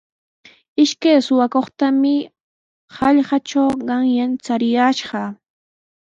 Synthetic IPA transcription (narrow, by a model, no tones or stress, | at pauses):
ɪʃkajsʊwakoχt̪amɪ | hɑʎɢɑʈ͡ʂawɢɑŋjant͡saɾɪjaʃɢɑ